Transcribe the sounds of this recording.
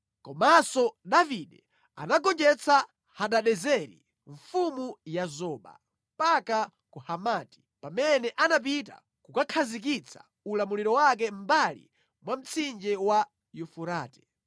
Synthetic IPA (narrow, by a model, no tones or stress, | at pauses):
kɔmasɔɗaviɗɛ | a̰naɡɔnd͡ʒɛt͡sʰa | haɗaɗɛzɛɾḭ | ɱfumujazɔːɓa̰ | mm̩paka | kuhamaːti̥ | pamɛnɛʔanap̬ita̰ | kukakʰazik̬it͡sʰḁ̰ | ulamuliɾɔwak̬ɛm̩balḭ | mwam̩t͡sʰind͡ʒɛwa | jufuɾaːtɛ̥